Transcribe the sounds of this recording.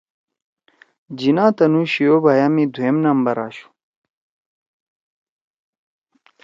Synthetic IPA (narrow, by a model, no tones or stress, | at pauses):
d͡ʑinaːt̪ɐnuːɕijoːbʱajaːmid̪ʱuemnɐmbɐɾa̰ːɕu̥